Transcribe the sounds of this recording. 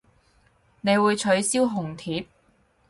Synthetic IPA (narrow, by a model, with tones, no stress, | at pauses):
ne˨˧jwuː˨˧jt͡ʃʰɵ˨˥ɥsiː˥wɦʊ˨˩ŋt̪ʰiː˨˥p̚